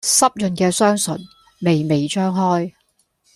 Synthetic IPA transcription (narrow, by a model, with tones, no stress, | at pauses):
sɐ˥p̚jɵ˨nkɛː˧sœː˥ŋsɵ˨˩n | me˨jme˨jt͡ʃʰœː˥ŋɦɔː˥j